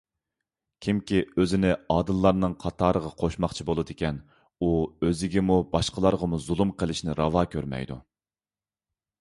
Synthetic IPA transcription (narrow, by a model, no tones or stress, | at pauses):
kʲʰimkʲʰiøzɪnɪɑːd̪ɨlˠːɑɾnɨŋqʰɑt̪ʰɑːɾəʁɑqʰoʃmɑχt͡ʃʰibolˠɨd̪ɪkʲɛn | uøzɪɡʲɛmubɑʃqəlˠɑɾʁɑmuzulˠumqʰəlˠɪʃnɪɾɑvɑːkʲʰøɾmɛ̰jd̪ṵ